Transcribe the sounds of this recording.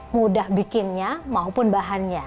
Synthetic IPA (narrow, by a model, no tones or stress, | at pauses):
mudahbikɪnɲamaupʊnbaɦanɲa